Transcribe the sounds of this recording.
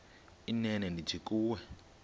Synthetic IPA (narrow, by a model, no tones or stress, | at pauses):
inɛnɛndid͡ʒʰikuːwɛ